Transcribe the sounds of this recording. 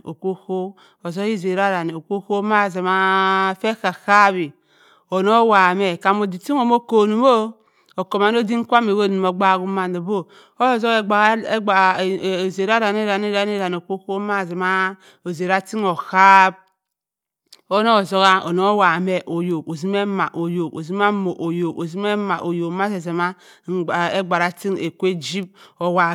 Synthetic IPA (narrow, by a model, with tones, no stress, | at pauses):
o˨ko˦ko˦ | o˨zo˦ɣi˦ze˨ɾa˦ɾa˨n˨o˨ko˦ko˦ma˦˨ze˨ma˦fe˦ka˨xa˦bi˨ | o˨no˦wa˨me˨ka˨mo˨di˨ti˦ŋo˨mo˦ko˨nu˨mo˦ | o˨ko˨ma˨n˦o˦di˦ŋ˦kʷa˦me˨wo˦ni˨mo˨ɡ͡ba˦˨ɡu˦ma˨no˨bo˦ | o˦jo˦˨zo˦ɣe˨ɡ͡ba˨ɣe˦ɡ͡ba˨ze˨ɾa˦ɾa˨n˦e˦ɾa˨n˦e˦ɾa˨n˦e˦ɾa˨n˨o˨ko˦ko˦ma˦˨ze˨ma˦ | o˨ze˨ɾa˦ti˦ŋo˨ha˦b̚ | o˦no˦˨zo˦ɣa˦o̰˨no˦o˦wa˨me˦ʔo˨jo˨ko˨zi˦me˦ma˨ʔo˨jo˨ko˨zi˦ma˦mo˨ʔo˨jo˨ko˨zi˦me˦ma˨ʔo˨jo˨kma˦ze˨ze˨ma˦˨ | e˦ɡ͡ba˨ɾa˨ti˦ŋe˨kʷe˦d͡ʒi˦b̚o˨wa˨